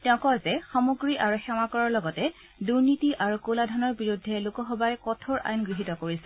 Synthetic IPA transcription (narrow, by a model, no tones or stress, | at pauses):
tɛʊ̃kɔzɛxɔmoɡɹiʔaɹuxɛmakɔɹɔɹlɔɡɔtɛ | duɹnitiʔaɹukoladʱɔnɔɹbiɹudʱːɛlukɔxɔbajkɔtʰoɹʔa̰jnɡɹiɦitɔkoɹisɛ